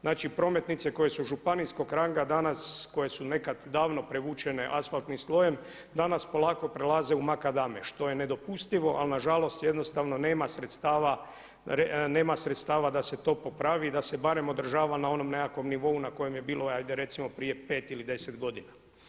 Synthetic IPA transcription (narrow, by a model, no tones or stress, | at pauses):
znaːt͡ʃipɾo̞me̞t̪nit̪se̞ko̞je̞suʒupanisko̞ɡɾaŋɡad̪anasko̞je̞sune̞kad̪d̪aːʋno̞pɾeʋuːt͡ʃe̞ne̞ʔasfalt̪nimslˠo̞jem | d̪anaspo̞lˠaːko̞pɾelaze̞umakad̪ameʃt̪o̞jene̞d̪o̞pust̪iʋo̞ʔa̰lnaʒalo̞st̪je̞d̪no̞st̪aʋno̞neːmasɾet̪st̪aːʋa | ɾene̞ːmasɾet̪st̪aːʋad̪ase̞t̪o̞po̞pɾaʋid̪ase̞baɾe̞mo̞d̪r̩ʒaːʋanao̞no̞mnekakʋo̞mniʋo̞unako̞je̞mje̞biːlˠo̞ajd̪eɾe̞t̪simo̞pɾije̞pe̞ːt̪ilid̪e̞sed̪ɡo̞d̪ina